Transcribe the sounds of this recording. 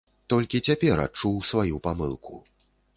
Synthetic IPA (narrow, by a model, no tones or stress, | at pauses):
t̪ɔlʲkʲit͡sʲapʲɛɾa̰t͡ʂuwsvajupamɨ̰lˠkʰṵ